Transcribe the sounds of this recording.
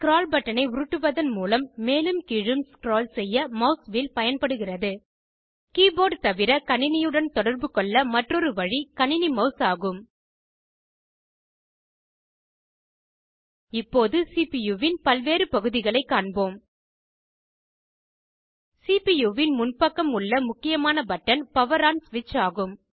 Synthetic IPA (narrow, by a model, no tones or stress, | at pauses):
kɪɾoːlbɐʈːɐnɐɪʊɾɯʈːɯʋɐðɐnmuːlɐmːeːlɯmkiɻɯmskɪɾoːlsɛjːɐmɐʊsʋɪlpɐjɐnpɐɽɯɣɪrɐðɯ | kiːboːɖt̪ɐʋɪɾɐkɐɳɪnɪjɯɽɐnt̪ɔɽɐɾbɯkɔɭːɐmɐʈrɔɾɯʋɐɻikɐnɪnimɐʊsaːɣɯm | ɪpːoːðɯsiːpijuːʋɪnpɐlʋeːɾɯpɐɣɯðɪɣɐɭɐɪkːaːɳboːm | sipijuːʋɪnmʊnpɐkːɐmʊɭːɐmʊkːɪjɐmaːnɐbɐʈːɐnpɐʋɐɾaːnsʋɪt͡ʃːaːɣɯm